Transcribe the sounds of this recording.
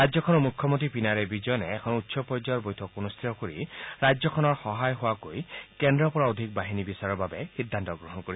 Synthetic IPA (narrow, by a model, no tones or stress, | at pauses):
ajɔkʰɔnɔmukʰjɔmont̪ipinaɹɛbid͡ʒɔjɔnɛːkʰɔnutːsɔpɔjd͡ʒajɔɹbɔjtʰɔkunust̪ʰit̪ɔkoɹiɹad͡ʒɔkʰɔnɔɹxɔɦajɦowakojkɛndɹɔpɔɹaod̪ʱik̚baɦinibisaɹɔɹbabɛxid̪ʱːant̪ɔɡɹɔɦɔnkoɹi